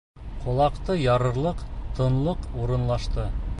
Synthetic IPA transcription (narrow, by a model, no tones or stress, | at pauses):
qʰŏlˠɑqt̪ɤjɑɾɤ̆ɾlˠɤqt̪ɤ̆nlˠɤquɾɤ̆nlˠɑʃt̪ɤ